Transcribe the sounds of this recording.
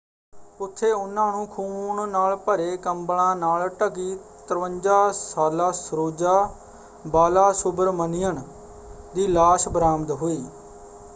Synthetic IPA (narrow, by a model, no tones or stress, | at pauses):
pʊt̪ʰːeːʊnːãːnũːkʰuːɳnaːlpəɾeːkəmbɽãːnaːlʈəɡiː | t̪əɾʋəɲd͡ʒaːsaːlaːsɾoːd͡ʒaː | baːlaːsʊbəɾmənɪjəɳ | d̪iːlaːʃbəɾaːmd̪ɦoːiː